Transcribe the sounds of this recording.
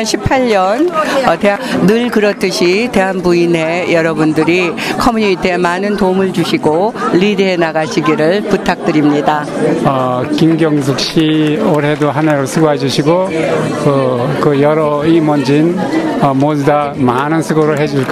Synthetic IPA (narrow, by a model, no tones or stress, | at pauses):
nɕʰipʰaʎːʌnʌteanɯɭkɯɾʌt͈ɯɕʰite̞ɦanbuine̞jʌɾʌbundɯɾikʰʌmuɲiit͈ʰemanɯntomɯɭt͡ɕuɕʰiɡoʎidɦenaɡaɕʰiɡiɾɯɭputʰak̚tɯɾimɲidaʌkimɡjʌŋs̬ʰuk̚ɕ͈ioɾɦedoɦaneɾosʰɯɡoɦed͡ʑuɕʰiɡokɯkɯjʌɾʌimʌnd͡ʑinʌmodudamanɯnsʰɯɡoɾɯɭɦe̞d͡ʑuɭk͈a